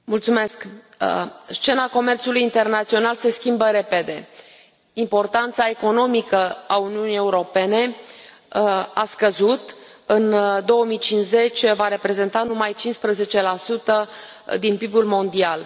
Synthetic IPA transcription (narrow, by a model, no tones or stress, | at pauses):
mult̪sume̞sk | st͡ʃe̞nako̞me̞rt̪sulujint̪e̞rnat̪sio̞nalse̞skʲimbəɾe̞pe̞d̪e̞ | impo̞rt̪ant̪sae̞ko̞no̞mikəauniunije̞uɾo̞pe̞ne̞ | askəzut̪ɨnd̪o̞wəmit͡ʃinze̞t͡ʃʲvaɾe̞pɾe̞ze̞nt̪anumajt͡ʃinspɾəze̞t͡ʃe̞lasut̪ə | d̪inpibulmo̞nd̪ial